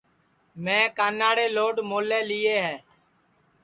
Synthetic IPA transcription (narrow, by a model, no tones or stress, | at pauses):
mɛ̃ːkaːnaːɽeːloːɖmoːleːliːeːɦɛː